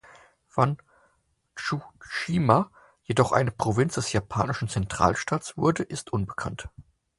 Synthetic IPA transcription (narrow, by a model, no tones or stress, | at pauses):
v̥an | ʃuʃiːma | jedɔχʔa̰ɪnəpʁ̥ovɪnt͡sd̥ɛsjapʰaːnɪʃn̩t͡sɛntʁ̥a̰ːlʃtaːtsv̥ʊɐdəʔɪstʔʊnbəkʰant